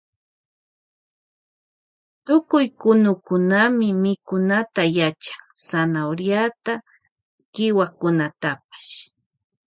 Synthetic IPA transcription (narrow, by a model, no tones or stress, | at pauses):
t̪ʊkʊjkʊnʊkʊnamɪmɪkʊnat̪ajat͡ʃḁŋsanawɾjat̪a | kɪwakʊnat̪ap̚ḁʃ